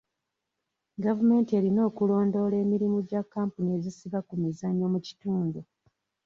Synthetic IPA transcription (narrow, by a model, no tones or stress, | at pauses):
ɡavume̞ːntie̞ɾino̞ːkulo̞ːndo̞le̞ːmiɾimuɟakːaːmpunie̞zisiβakumizaɲːomuci̥tuːndu